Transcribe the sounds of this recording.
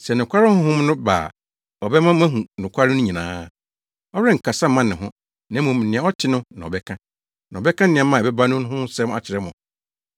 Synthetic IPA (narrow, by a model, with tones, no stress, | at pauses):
sɛ˨nʊ̃˨kʷʰa˦ɾɪ˦hʊ̃˦ɦʊ̃˦mnʊ̃˦ba̰ː˨ | ɔ˨bɛ˦mã˦mã˦ɦũ˨nʊ̃˨kʷʰa˦ɾɪ˦nʊ̃˦ɲĩ˨nã̰ː˦ | ɔ˦ɾɛ̃˦ŋ̩˨kʰa˨sa˦mã˦nɪ̃˨ɦʊ̃˦ | nã˨˦mũ˨m˨nɪ̃˨ã˦ɔ˦tʰɪ˦nʊ̃˦nã˨ɔ˨bɛ˦kʰã˦ | nã˨bɛ˦kʰã˦nɪ̃˨ã˨˦mã˦˨bɛ˦ba˦nʊ̃˦n˦ɦʊ̃˦sɛ˦m˦a˨t͡ɕʰɪ˨ɾɛ˦mʊ̰̃˨